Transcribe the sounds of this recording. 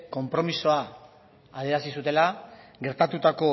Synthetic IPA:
ko̞mpɾo̞miso̞aː | ðe̞ɾasis̬ut̪e̞la | ɡe̞ɾt̪at̪ut̪ako̞

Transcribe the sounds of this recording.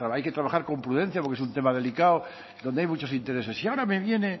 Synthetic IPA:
ɾaajket̪ɾaβaxaɾko̞mpɾuðe̞n̟θjapoɾkeesunt̪e̞mað̞e̞likao | d̪ond̪eajmut͡ʃo̞sint̪eɾe̞sesiaoɾame̞βje̞ne̞

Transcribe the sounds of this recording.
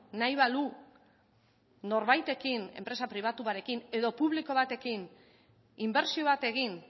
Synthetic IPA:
najβalu | no̞ɾβajt̪e̞kinempɾe̞sapɾiβ̞at̪uβaɾe̞kine̞ðo̞puβ̞liko̞βat̪e̞kin | imbe̞ɾsio̞βat̪e̞ɣ̞in

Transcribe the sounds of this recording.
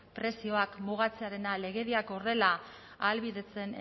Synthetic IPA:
pɾe̞sio̞akmuɣ̞at͡se̞aɾe̞nale̞ɣe̞ðiakore̞la | alβiðe̞t͡se̞n

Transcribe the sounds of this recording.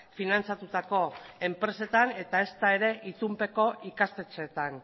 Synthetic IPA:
finant͡sat̪ut̪ako̞e̞mpɾe̞se̞t̪ane̞t̪ae̞st̪ae̞ɾe̞ʔit̪umpe̞ko̞ʔikast̪e̞t͡set̪an

